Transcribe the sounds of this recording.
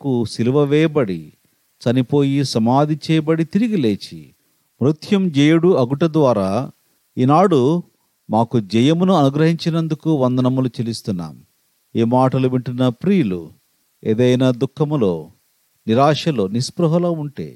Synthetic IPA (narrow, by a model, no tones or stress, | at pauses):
kusiluʋɐʋɛːjɐbɐɽi | t͡ʃɐnipo̞ːjisɐmaːd̪ʱit͡ʃɛːjɐbɐɽit̪iɾiɡileːt͡ʃḭ | mɾut̪ʰjɐmd͡ʒɛjɐɽuɐɡuʈɐd̪ʋaːɾaː | iːnaːɽu | maːkud͡ʒɛjɐmunuɐnuɡɾɐɦiɲt͡ʃinɐnd̪ukuʋɐnd̪ɐnɐmulut͡ʃelist̪unːa̰ːm | iːmaːʈɐluʋiɳʈunːɐpɾiːlṵ | ḛːd̪ɐjnaːd̪ukʰːɐmlo̰ː | niɾaːʂɐlo̞ːnispɾɐɦɐloːuɳʈḛː